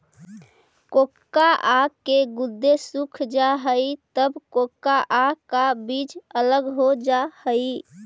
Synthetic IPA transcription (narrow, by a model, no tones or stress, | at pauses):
kokːaʔakːeɡud̪ːesukʰd͡ʒaɦəit̪əbkokːaʔakabid͡ʒələɡɦod͡ʒahəj